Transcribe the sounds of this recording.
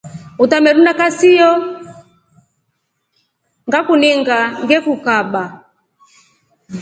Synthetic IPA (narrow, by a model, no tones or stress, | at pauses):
utamɛɗunakasijɔ | ŋɡakuniŋɡaŋɡɛkukaɓa